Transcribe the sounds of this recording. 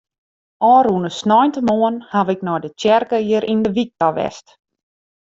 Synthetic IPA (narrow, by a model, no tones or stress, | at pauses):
ɔːɾunəsnɔjntəmoənhaʋɪknɔjdət͡ʃɛrkəiəɾʔindəʋik̚tɔʋɛ̰st